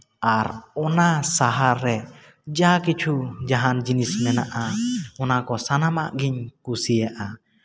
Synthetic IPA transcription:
aɾɔnasaɦaɾːɛ | d͡ʒakit͡ʃʰud͡ʒaɦand͡ʒinismɛnaʔaɔnakɔsanamaʔɡiɲkusijaʔa

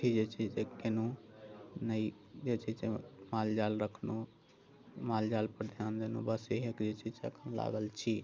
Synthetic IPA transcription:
id͡ʒet͡ʃʰisekɪnu | nəi | d͡ʒet͡ʃʰisemaːld͡ʒaːlɾəkʰnu | mald͡ʒaːlpəɾd̪ʱjaːnd̪enṵbəseɦekd͡ʒet͡ʃʰiseə̰kʰənla̰ːɡəlt͡ʃʰi

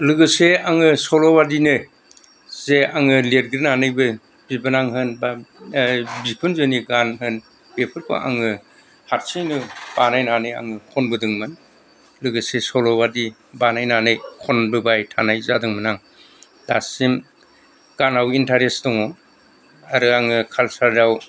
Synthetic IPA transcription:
lɯɡɯseaŋɯsɔlɔwadinɯ | zeaŋɯleɾɡɾinanɯjbɯ | bibɯnaŋɦɯnba | bikʰɯnzɯniɡanɦɯn | bepʰɯɾkʰɔ̰ʔa̰ŋɯ | haɾsijnɯb̥anajnanɯja̰ŋɯkʰɔnbɯdɯŋman | lɯɡɯsesɔlɔbadi | banajnanɯjkʰɔnbɯbajtʰanajzadɯŋmɯnaŋ | dasim | ɡ̥anawintaɾestɔŋɔ | aɾɯaŋɯkʰalsaɾdaw

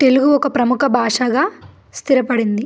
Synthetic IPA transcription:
t̪e̞luɡuɔkɐpɾɐmukʰɐbʱaːʂaɡaː | st̪iɾɐpɐɽind̪i

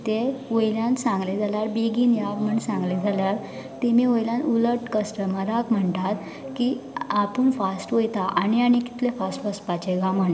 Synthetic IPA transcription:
t̪eʋojljãnsãŋɡled͡zʱaljaɾbeɡiːnjaɡm̤əɳsãŋɡled͡zʱaljaɾ | t̪emiʋojlãnuləʈkəsʈəmaɾakm̤əɳt̪at̪ | kiapəɳfasʈʋəjt̪aʔaniañiki̥t̪lefasʈʋəspat͡ɕeɡaməɳ

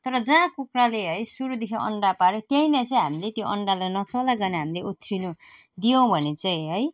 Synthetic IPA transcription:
t̪ʌɾʌd͡zãkukraleɦʌjsuɾud̪ekʰĩʌ̰ɳɖapaɾet̪jʌĩnat͡sʌĩɦamilet̪joʔʌ̰ɳɖalajnʌt͡sʌlaɡʌnaɦamileut̪ʰrinu | d̪ijõw̃bʱʌnet͡saĩɦʌj

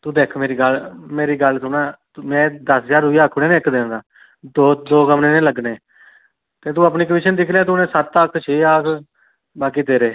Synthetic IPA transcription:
t̪ũːd̪eːkʰmeːɾiːɡəlmeːɾiːɡəlsʊnãː | mɛ̃ːd̪əsd͡ʒaːɾɦʊiːaːkʰːʊɽeːnẽːɪkd̪eːnd̪aː | d̪oːd̪oːkəmnẽːnẽːləɡneː | t̪eːt̪̬ũːaːpniːk̬əʋɪʃənd̪ɪkʰlãːt̪ːnẽːsət̪ːəkʰt͡ʃʰeːaːkʰ | baːk̬iːt̪eːɾeː

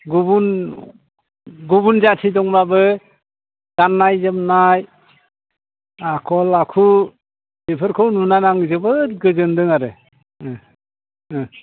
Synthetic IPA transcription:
ɡubun | ɡubunzatʰidɔŋɾabɯ | d̥anːajzɯmnaj | akʰɔlakʰu | epʰɯɾkʰɔwnunanaŋzɯbɯtɡɯzɯndɯŋaɾɯ

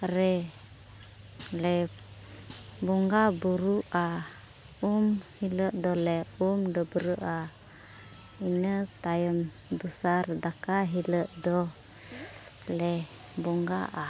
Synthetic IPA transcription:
ɾɛ | lɛ | buŋɡabuɾuʔa | umhiləʔd̪ɔlɛumdɔbəɾəʔa | inət̪ajəm | d̪usard̪akaɦiləʔd̪ɔ | lɛ | buŋɡa̰ʔa

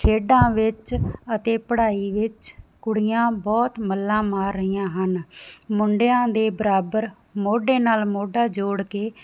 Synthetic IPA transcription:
t͡ʃʰeːɖãːʋɪt͡ʃət̪eːpəɽaːiːʋɪt͡ʃkʊɽɪjãːbɔːt̪məlːãːmaːɾːəiːãːɦənmʊɳɖejãːd̪eːbəɾaːbəɾ | moːɖeːnaːlmoːɖaːd͡ʒoːɽkeː

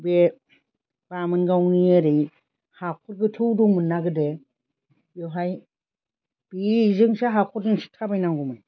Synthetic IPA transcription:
be | b̥amɯnɡawnieɾɯj | hakʰɔɾɡɯtʰɯwduŋmɯnːaɡɯde | jɔɦaj | b̥izɯŋsaɦakʰɔɾzɯŋsi̥tʰabajnaŋɡumɯj

